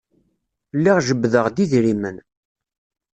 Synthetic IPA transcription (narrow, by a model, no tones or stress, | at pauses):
lːiʁʒəbːðəʁd̪iðɾimən